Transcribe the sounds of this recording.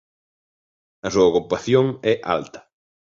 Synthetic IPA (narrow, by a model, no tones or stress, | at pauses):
ɐsuɐɣɾupaθjoŋɛʔa̰lt̪ɐ̥